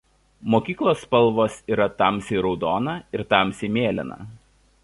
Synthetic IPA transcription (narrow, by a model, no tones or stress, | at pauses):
moːkʲiːklˠoːspɐlˠʋoːsiːɾɐt̪ɐˑmsʲiːɾɔʊd̪oːnɐɪɾt̪ɑˑmsʲiːmʲeːlʲɪ̰nɐ̰